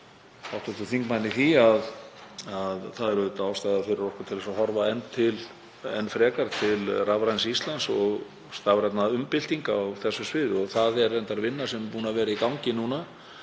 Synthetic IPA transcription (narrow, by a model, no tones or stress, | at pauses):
aw̥t̪ʏt̪ʏθiŋkmajnɪθiaðaðθaðɛɾʏt̪awst̪ajðafɪɾɪɾɔhkʏɾ̥t̪ʰɪlvɛsahɔɾvaɛnːt̪ʰɪl | ɛnːfɾɛːkaɾ̥t̪ʰɪlravɾajnsist̪lansɔɣ | st̪aːvɾɛt̪naʏmpɪl̥t̪iŋkaawθɛsːʏsvɪːðʏɔɣθaðɛɾɛjnt̪aɾvɪnːasɛmpuːnavɛːɾaikawɲcɪnuːna